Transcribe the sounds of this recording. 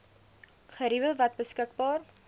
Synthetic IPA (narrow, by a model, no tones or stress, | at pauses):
χəɾivəlˠvɐt̚bəskək̚bɑːr